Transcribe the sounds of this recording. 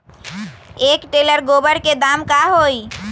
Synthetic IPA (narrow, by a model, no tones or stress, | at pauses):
ekʈeləɾɡobəɾked̪amkaɦoj